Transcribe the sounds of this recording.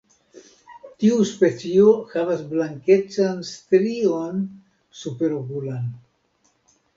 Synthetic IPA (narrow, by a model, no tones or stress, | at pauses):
tiuspe̞t͡sio̞havasblaŋke̞t͡sanstɾio̞n | supe̞ɾokulan